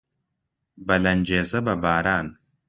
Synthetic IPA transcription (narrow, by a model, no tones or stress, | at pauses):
bɐlɐnd͡ʒeːzɐbɐbaːɾaːn